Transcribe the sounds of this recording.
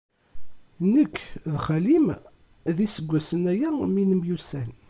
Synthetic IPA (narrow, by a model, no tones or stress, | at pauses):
nəkːðχælim | ðisəɡʷːæsənæjæminəmjusæn